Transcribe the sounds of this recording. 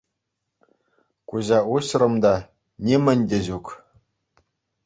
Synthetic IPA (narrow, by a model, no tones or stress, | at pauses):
kuʑɑuɕrɤ̆md̪ɑ | nʲemɘ̆nʲdʲĕʑuk